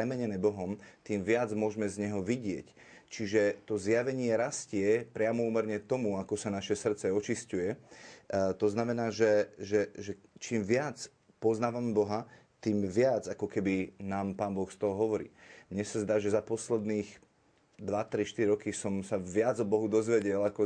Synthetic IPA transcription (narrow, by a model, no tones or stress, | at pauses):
pɾɛmɛɲɛnɛːbɔɦɔmt̪iːmʋɪad͡zmʊɔʒmɛzɲɛɦɔʋiɟɪɛc | t͡ʃiʒɛt̪ɔzjaʋɛɲɪɛɾascɪɛpɾɪamɔuːmɛɾɲɛt̪ɔmuakɔsanaʃɛsr̩t͡sɛɔt͡ʃiscujɛ | t̪ɔznamɛnaːʒɛʒɛʒɛ | t͡ʃiːmʋɪat͡s | pɔznaːʋamɛbɔɦa | t̪iːmʋɪad͡zakɔkɛbinaːmpaːnbɔxst̪ɔɦɔɦɔʋɔɾḭːmɲɛsazd̪aːʒɛzapɔslɛd̪niːx | d̪ʋat̪ɾiʃt̪iɾiɾɔkisɔmsaʋɪad͡zɔbɔɦud̪ɔzʋɛɟɛlakɔ